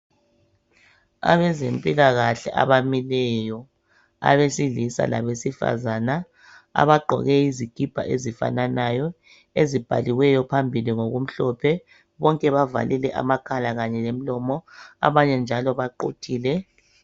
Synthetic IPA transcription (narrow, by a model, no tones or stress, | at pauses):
a̰βɛzempʼilaɣaɬɛ̰ʔa̰βamilɛjɔ | a̰βesiɮisa̰la̰βesifa̰zana | a̰βaɡ͡ǃʱɔ̰ɣɛiziɡ̥ʱib̥ʱa̰ʔezifa̰nanajɔ | ezib̥ʱa̰liwɛjɔpʰambʱiliŋoɣum̩ɬɔpʰɛ | βɔŋkʼɛβava̰lʔilɛʔa̰makʰalaɣaɲɛlem̩lɔmɔa̰βaɲɛnd͡ʒʱalɔβaǃo̰tʰiːlɛ